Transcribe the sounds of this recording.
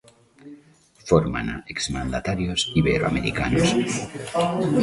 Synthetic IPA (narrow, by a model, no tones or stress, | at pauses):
foɾma̰naekzmand̪at̪aɾjosiβeɾoa̰meɾikanos